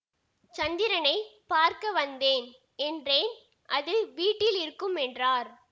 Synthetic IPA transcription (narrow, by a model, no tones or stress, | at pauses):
t͡ʃɐnd̪ɪɾɐnɐɪpaːɾkɐʋɐnd̪eːn | ɛndreːn | ʔɐðɯʋiːʈːɪlɪɾɯkːɯmɛndraːɾ